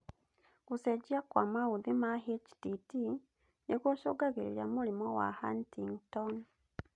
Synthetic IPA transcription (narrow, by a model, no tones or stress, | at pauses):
kuseɟiakwamawuðimaɦit͡ʃi̥titi | nekoʃoɡaɣeɾiijamulimowa̰hantiŋton